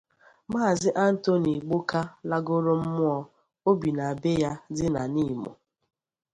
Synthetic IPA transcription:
maː˦˨zɪ˦ʔa˦n̩˦to˦ni˨ɡ͡bo˦ka˦la˦ɡo˦ɾo˦m̩˦mʊ˦ɔ˦ | o˦bi˨na˨a˨be˦ja˦dɪ˦na˨ni˦˨mo̰˨

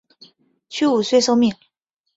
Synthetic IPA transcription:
t͡ɕʰy˥u˨˩swe˥˧ɪʂo˥˧ʊmi˥˩ŋ

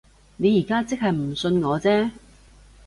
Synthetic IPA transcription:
ne˨˧jiː˨˩kaː˥t͡sɪ˥k̚hɐ˨jm̩˨˩sɵ˧nŋɔː˨˧t͡sɛː˥

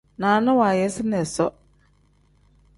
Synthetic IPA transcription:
nãː˨nɪ̃˦waː˨jɛ˨˦sɪ˦nɛ˨sɔ̰˦

